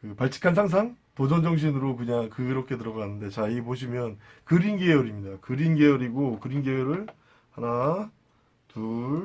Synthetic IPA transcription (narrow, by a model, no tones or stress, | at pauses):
kɯpaɭt͡ɕʰi̥kʰans̬ʰaŋs̬ʰaŋ | pod͡ʑʌnd͡ʑʌŋɕ̬ʰinɯɾokɯɲaŋkɯɾʌkʰe̞tɯɾʌɡanɯnde̞t͡ɕaiɡep̬oɕ̬ʰimjʌnkɯɾinɡe̞jʌɾimɲidakɯɾinɡe̞jʌɾiɡokɯɾinɡejʌɾɯɭ | hana | tuɭ